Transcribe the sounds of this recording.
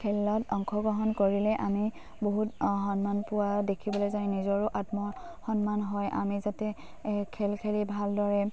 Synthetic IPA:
kʰɛlɔtɔŋkʰɔɡɹɔɦɔnkoɹilɛʔami | boɦutɦɔnmanpʊwadekʰibɔlojzajnizɔɹʊʔatmɔ | xɔnmanɦɔjʔa̰mizatɛ | kʰɛlkʰelibʱaldɔɹɛ

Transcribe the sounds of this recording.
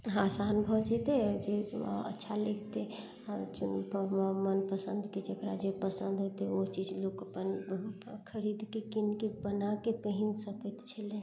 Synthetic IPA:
ɦasanbʱɔd͡ʒɛt̪eɔɾd͡ʒeə̰tːʃʰalekʰt̪e | t͡ʃunmənpəsənd̪ked͡ʒekɾa̰d͡ʒepəsə̃nd̪ʱɦot̪eot͡ʃid͡ʒlokəpən | kʰəɾid̪kekinkebənakepəɦinsəkət̪t͡ʃʰəle

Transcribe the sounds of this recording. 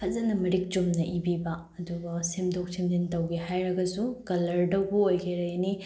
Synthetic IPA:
kʰɐzɐnɐmɐɾik̚d͡ʒomnɐʔibibɐ | ɐduɡɐsemdok̚semdintɐwɡeɦajɾɐɡɐsukɐlɐɾdɐwbɐojɡeɾɐjɐni

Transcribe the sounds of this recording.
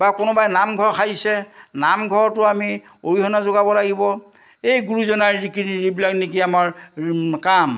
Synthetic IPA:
bakʊnʊbajnamɡʱɔɹkʰajisɛnamɡʱɔɹtʊami | oɹiɦɔnazoɡabɔlaɡibɔ | ejɡuɹuzɔnaɹzikinibilaknikiamaɹkam

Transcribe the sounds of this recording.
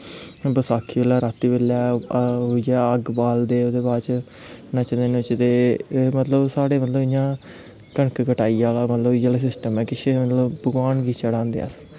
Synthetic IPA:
bəsaːkʰːiːʋelaːɾaːt̪ːiːbelːaːɦoːid͡ʒɛːəɡbaːld̪eːod̪eːbaːt͡ʃ | nə̃t͡ʃənd̪eːnõt͡ʃt̪eːmət̪ləbsaːɽeːmət̪ləbɪjãː | kəɳkkəʈaːiːaːlaːmət̪ləbd͡ʒəles̬ɪsʈəmɛ̃ːkɪt͡ʃʰeːmət̪ləbbəɡaːɳɡiːt͡ʃəɽãːnd̪eɛ̰s

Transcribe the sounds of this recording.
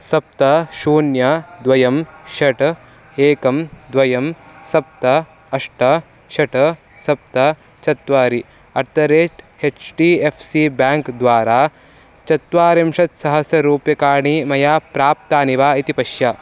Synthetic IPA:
sɐp̚t̪ɐʃuːnjɐd̪ʋɐjɐmʃɐʈ | eːkɐmd̪ʋɐjɐmsɐp̚t̪ɐ | ɐʂʈɐ | ʃɐʈɐ | sɐp̚t̪ɐ | t͡ʃɐt̪ʋaːɾi | ɐɾt̪ɐɾeːʈhet͡ʃʈiːefʰsiːbaːŋkd̪ʋaːɾaː | t͡ʃɐt̪ʋaːɾɐmʃɐt̪sɐɦɐsjɐɾuːpjɐkaːɳimɐjaːpɾaːp̚t̪aːniʋaːit̪ipɐʃjɐ

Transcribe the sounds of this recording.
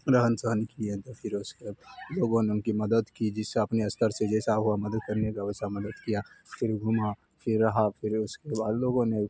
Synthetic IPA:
ɾəɦənsənkiẽt̪opʰɪɾʊskeloːɡõneʊnkimɐd̪əd̪kid͡ʒɪsːeɐpneɐst̪ʰəɾsed͡ʒɛːsaɦuamɐd̪əd̪̚kɐɾnekaɛːsamɐd̪əd̪kijafʰɪɾɡʱuma | fʰɪɾːɐɦafʰɪɾʊskebaːd̪loːɡõne

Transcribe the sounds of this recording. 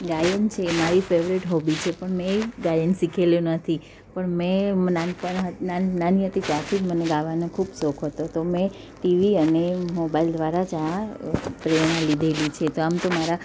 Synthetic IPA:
ɡajənt͡ʃʰeːmaɾifeʋɾiʈɦɔbit͡ʃʰepəɳmɛ̃ɡajənsikʰeljũnət̪ʰi | pəɳmɛ̃mnanpəɦənananiɦət̪it̪at̪ʰid͡ʒməneɡaʋanekʰubsɔkʰɦət̪ot̪omɛ̃ | ʈiʋiənemobaild̪ʋaɾad͡ʒa | pɾenalid̪ʱelit͡ʃʰet̪oamt̪omaɾa

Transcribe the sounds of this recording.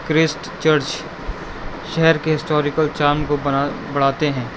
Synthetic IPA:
kɾɪsʈ | t͡ʃəɾt͡ʃ | ʃɛɦɛɾkeɦɪsʈɔːɾɪkəlt͡ʃaːnkobɐɽ̤aːt̪eɦɛ̃ː

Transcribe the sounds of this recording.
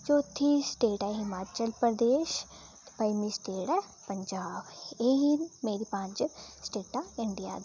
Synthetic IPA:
d͡ʒoːt̪ʰːiːsʈeːʈɛːɦɪmaːt͡ʃəlpɾəd̪eːʃ | pəimiːsʈeːʈɛː | pəɲd͡ʒaːbeːɦinmeːɾiːpãɲd͡ʒsʈeːʈaːɪɳɖija̰ːd̪

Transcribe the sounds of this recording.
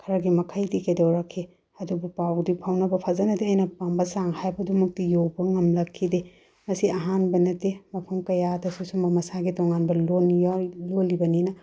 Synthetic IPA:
kʰɐɾɐɡimɐkʰɐjdikɐjdɐwɾɐkʰːe | ɐdubupawdipʰawnɐbɐpʰazɐnɐdeɐjnɐpambɐsaŋhajbɐdumɐk̚tijowbɐŋɐmlɐkʰːide | mɐsiɐɦanbɐnɐtemɐpʰɐmkɐjadɐsusumbɐmɐsaɡitɔŋanbɐlonlolibɐninɐ

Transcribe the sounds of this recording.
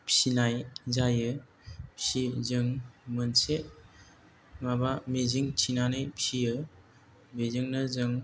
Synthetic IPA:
psinajzajɯ | psizɯŋmɯnse | mabameziŋtʰinanɯjpʰsiɯ | meziŋnɯzɯŋ

